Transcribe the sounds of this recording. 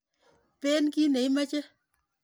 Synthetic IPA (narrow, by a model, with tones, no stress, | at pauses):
peː˦nki˦ne˨i˦ma˦t͡ʃe˦